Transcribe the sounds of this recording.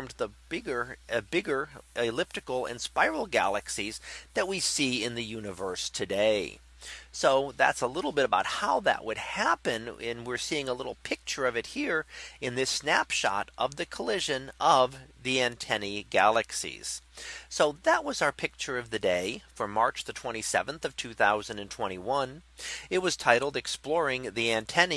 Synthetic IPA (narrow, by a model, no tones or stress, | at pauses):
mðəb̥ɪɡə˞ɨbɪɡə˞ɪlɪp̚tɨkl̩ˠɪ̰̃nspaɪɹl̩ˠɡæ̰lˠɨksizðɨt̚wisiɪ̃nðɨjʉnɨvɜ˞stʰɨdeɪ | soʊðæ̰tsəlɪɾl̩ˠbɪɾəbaʊt̚haʊðɨ̰ʔwʔəd̚hæpɨ̃nɨ̰̃nwɪɹsiɪ̃ŋəlɪɾl̩ˠpʰɪk̚t͡ʃə˞ʌvɨt̚hiɹɨ̃nðɪsnæpʃɑ̰ɾʔʌvðɨkʰəlɪʒɨ̃nʌvðiæ̃ntʰɛniɡælˠɨksḭz̥soʊðəʔ̚wʌzaʊə˞pʰɪk̚t͡ʃə˞ʌvðɨdeɪfə˞mɑɹt͡ʃðɨtʰw̥ɛ̃ɾ̃isɛ̰və̃nθʌv̥tʰʉθaʊzɨ̃n̩dɨ̃ntʰw̥ɛ̃ɾ̃iwʌ̃nɨt̚wʌz̥tʰaɪɾl̩ˠdɨksplɔɹɪ̃ŋðiæ̃ntʰɛni